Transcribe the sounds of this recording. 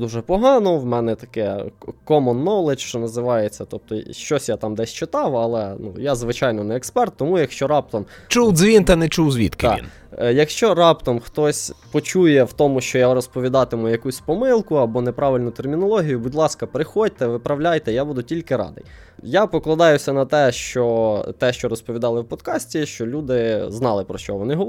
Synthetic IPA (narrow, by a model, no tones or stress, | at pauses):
d̪uʒɛpɔɦɑnɔwmɛnɛt̪ɐ̥kɛkɔmɔnːɔwlˠɪt͡ʃʃt͡ʃɔnɐzɪʋɑjet͡sʲːɐt̪ɔp̚t̪ɔʃt͡ʃɔsʲjat̪ɑmd̪ɛsʲt͡ʃɪt̪ɑwɐlˠɛnujazʋɪt͡ʃɑjnɔnɛːkspɛrt̪ːɔmujɐkʃt͡ʃɔɾɑp̚t̪ɔm | t͡ʃuwzʲʋʲint̪ɛnɛt͡ʃuwzʲʋʲḭt̪kɪ̰ḭn | jɐkʃt͡ʃɔɾɑpt̪ɔmxt̪ɔsʲpɔt͡ʃujɛwt̪ɔmʊʃt͡ʃɔjaɾɔspɔʋʲid̪ɑt̪ɪmʊjɐkusʲpɔmɪlˠkʊɐbɔnɛpɾɑʋɪlʲnʊt̪ermʲinɔlˠɔɦʲijʊbʊdʲlˠɑskɐpɾɪxɔd̚ʲt̪ɛʋɪpɾɐwlʲajt̪ɛjabud̪ʊtʲilʲkɪɾɑ̰d̪ɪ̰j | japɔklˠɐd̪ɑjʊsʲɐnɐt̪ɛʃt͡ʃɔt̪ɛʃt͡ʃɔɾɔspɔʋʲid̪ɑlˠɪwpɔd̪kɑsʲtʲiʃt͡ʃɔlʲud̪ɪznɑlˠɪpɾɔʃt͡ʃɔʋɔnɪɦɔ